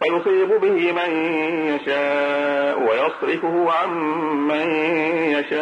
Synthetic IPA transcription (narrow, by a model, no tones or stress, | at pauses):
ajʊsˤiːbʊbɪhɪmajaʃaːʔwajɑsˤɾɪfʊhʊʕamːajaʃaː